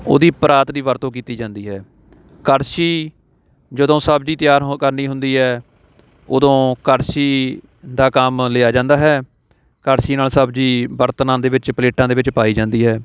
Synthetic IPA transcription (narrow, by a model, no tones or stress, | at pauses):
o̰ːd̪iːpɾaːt̪d̪iːʋəɾt̪õːk̬iːt̪iːd͡ʒãːnd̪iːɦɛː | kəɾsiː | d͡ʒəd̪õːsəbd͡ʒiːt̪ɪjaːɾɦkəɾniːɦʊnd̪iːɦɛː | o̰ːd̪õːkəɾsiː | d̪aːkəmleːaːd͡ʒãːnd̪aːɦɛː | kəɾsiːnaːlsəbd͡ʒiːbəɾt̪nãːd̪eːʋɪt͡ʃpəleːʈãːd̪eːʋɪt͡ʃpaːiːd͡ʒãːnd̪iːɦɛː